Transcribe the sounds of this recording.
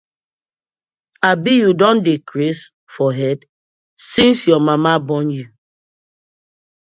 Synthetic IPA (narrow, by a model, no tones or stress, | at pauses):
abijudɔ̃ndikɾes | fɔɦɛd | sĩnsjɔmamabɔnju